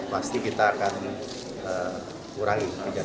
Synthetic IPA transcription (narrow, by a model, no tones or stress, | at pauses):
past̪ikit̪aːkan | ə | uɾaipəd͡ʒa